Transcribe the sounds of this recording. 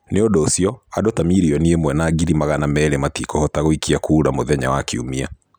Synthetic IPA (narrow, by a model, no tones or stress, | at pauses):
neodɔsiɔadotamiɾiɔniemwɛnaːɡiɾimaɣanamɛːɾematikɔhɔtaɣoikʰiakuːɾamoðɛɲa̰wakiṵmia̰